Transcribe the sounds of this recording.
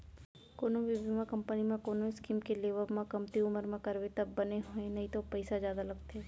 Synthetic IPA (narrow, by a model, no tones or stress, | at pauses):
koːnoʋɪbʱɪmakɐ̃mpənimẽkoːnoɪskiːmkeleːʋəbmãkɐmt̪iʊməɾmẽkɐɾʋet̪ɐbːɐneɦoẽnɐɦĩt̪opɐɪsazjaːd̪alɐɡt̪ɛː